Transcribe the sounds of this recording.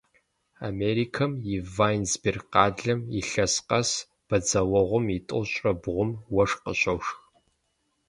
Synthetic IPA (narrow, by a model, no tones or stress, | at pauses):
a̰meːɾiːkʰɐmjivaːjnzbirqɑːɮɐmiɬɐsqɐs | b̥ɐd͡zɐwɐʁʷʊmitʼɨ̰lɕʼrɐbʁʷʊmwɐʂqəɕʼɐwʂx